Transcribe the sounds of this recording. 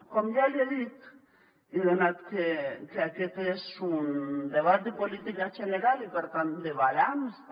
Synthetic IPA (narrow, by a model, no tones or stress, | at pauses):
kɔmdalɛðit̪ | iðɔnat̪kɛkeakɛt̪ɛsːund̪ɛβat̪d̪ipɔlit̪ikat͡ʃɛnɛɾalipɛɾt̪and̪ɛβalams